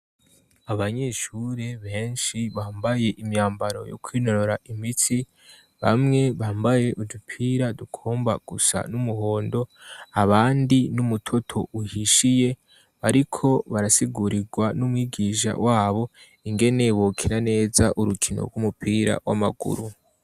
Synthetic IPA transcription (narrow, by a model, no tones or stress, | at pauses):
aβaɲe̞ʃuɾeβe̞ːnʃiβaːmbaje̞ʔimjaːmbaɾo̞̰jo̰kwiːno̞ɾo̞ɾaʔimiti | βa̰mŋe̞βaːmbaje̞ʔuupʰiːɾadukʰoːmba̰ɡ̥usa̰numuɦo̞ːndo̞aβaːndinumutʰo̞tʰo̞uhiʃije̞ | βaɾikʰo̞βaɾasiɡuɾiɡwanumwiːɡiːʃa̰wʔaːβo̞ | iŋɡe̞ne̞βokʰinane̞ːzaʔuɾukʰino̰ɾɡumupʰiːɾa̰wa̰ma̰ɡṵɾu